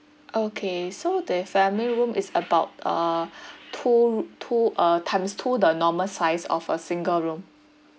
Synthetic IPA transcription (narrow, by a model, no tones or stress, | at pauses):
ʔokʰesodəfɛ̃miliɹũmisəbaʊtə̰ | tʰutʰuʔətʰãɪ̃mstʰudənɔməsaɪsɔ̰fəsĩŋɡəlɹũm